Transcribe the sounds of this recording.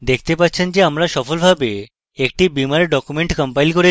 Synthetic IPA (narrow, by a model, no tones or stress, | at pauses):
d̪ekʰt̪epatːt͡ɕʰend͡ʑeamɾaʃɔfolbʱabe | ek̚ʈibimaɾeɖɔkumeɳʈkəmpajlkoɾe